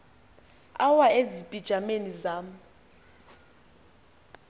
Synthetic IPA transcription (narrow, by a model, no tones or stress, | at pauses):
awaezipʼid̥ʒ̥ʱamenizaːm̩